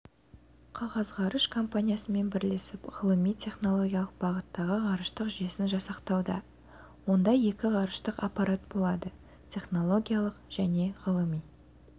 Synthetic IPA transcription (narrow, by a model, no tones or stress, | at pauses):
qʰɑʁɑzʁɑɾəʃkʰo̞mpanʲijasəme̞nbɪɾlesɪpʁəlˠəmijt̪ʲʰe̞χno̞lˠo̞ɡʲjalˠəq̚bɑʁət̪ːɑʁəʁɑɾəʃt̪əqʒesɪnʒɑsɑqt̪ɑwd̪ɑ̰ | wo̞nd̪ɑje̞kʲɪʁɑɾəʃt̪əqɑpɑɾat̪̚bolˠɑd̪ə | t̪ʲʰe̞χno̞lˠo̞ɡʲijalˠəqʒ̥æne̞ʁəlˠəmij